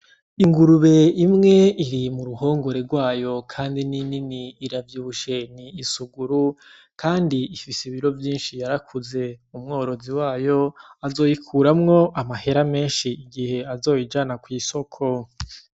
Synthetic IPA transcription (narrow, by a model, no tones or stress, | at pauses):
iŋɡuɾuβe̞imŋe̞iɾimuɾuho̞ːŋɡo̞ɾe̞ɡwaːjo̞kʰaːndinininiːɾavjuːβuʃeniːsuɡuɾu | kʰaːndiifisiβiɾo̞vjiːnʃijaɾakʰuze̞umŋo̞ːɾo̞ziwaːjo̞azo̞ːjikʰuːɾamŋo̞ʔamahe̞ɾame̞ːnʃiiɡihe̞azo̞ːjid͡ʒanakwiːso̞kʰo̞